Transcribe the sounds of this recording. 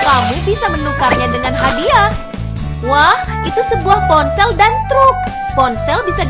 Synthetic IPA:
kamubisamənukarɲadəŋanɦadia | wah | it̪usəbuahpɔnsɛldant̪ɾʊk̚ | pɔnsɛlbisa

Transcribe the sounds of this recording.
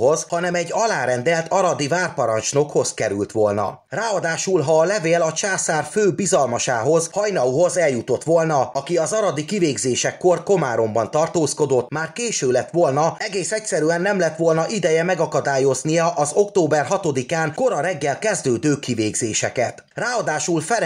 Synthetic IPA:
o̞zhɒnɛmɛɟːɒlaːɾɛnd̪ɛlt̪ʰɒɾɒd̪ivaːrpɒɾɒnt͡ʃno̞kho̞zkɛɾy̰lt̪ʋo̞lnɒ̰ | raːɒd̪aːʃulɦɒːlɛveːlɒt͡ʃaːsaːrføːbizɒlmɒʃaːɦo̞zhɒjnɒuɦo̞zɛljut̪o̞t̪ʋo̞lnɒɒkiɒzɒɾɒd̪ikiveːɡzeːʃɛkːorko̞maːɾo̞mbɒnt̪ɒrt̪oːsko̞d̪o̞t̪ːmaːrkeːʃøːlɛt̪ʋo̞lnɒɛɡeːsɛcsɛɾyɛnːɛmlɛt̪ʋo̞lnɒʔid̪ɛjɛmɛɡɒkɒd̪aːjo̞znijɒʔɒzo̞kt̪oːbɛrɦɒt̪o̞d̪ikaːnko̞ɾɒɾɛɡːɛlkɛzd̪øːd̪øːkiveːɡzeːʃɛkɛt̪ | raːɒd̪aːʃulfɛ

